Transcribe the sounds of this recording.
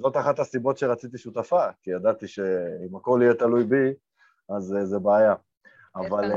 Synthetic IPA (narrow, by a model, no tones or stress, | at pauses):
zo̞t̪aχat̪hasibo̞t̪ʃeʁat͡sit̪iʃut̪afakijad̪at̪iʃe̞imako̞lijet̪alujbi | azzebeːja | aval